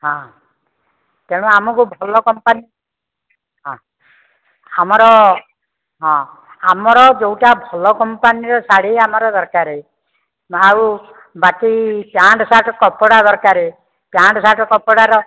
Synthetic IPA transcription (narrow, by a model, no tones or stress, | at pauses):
ɦɔ̃ | t̪eɽ̃uamɔkubʱɔlɔkɔmpani | ɦɔ̃ | amɔɾɔ | ɦɔ̃ | amɔɾɔd͡ʒewʈabʱɔlɔkɔmpaniɾɔsaɽ̤iamɔɾɔd̪ɔɾkaɾe | maw | bakipjaɳɖɔsaʈɔkɔpɔɽad̪ɔɾkaɾe | pjaɳɖɔsaʈɔkɔpɔɽaɾɔ